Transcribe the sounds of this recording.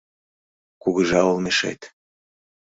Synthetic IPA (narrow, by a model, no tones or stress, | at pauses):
kuɣəʒɑulmeʃḛt̪